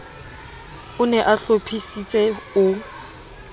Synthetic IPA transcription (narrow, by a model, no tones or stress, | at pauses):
ʊnɛʔaɬopʰisit͡sʼɛʊ